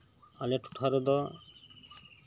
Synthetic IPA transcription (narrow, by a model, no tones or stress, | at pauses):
aleʈʰu̥ʈʰaɾɔd̪ɔ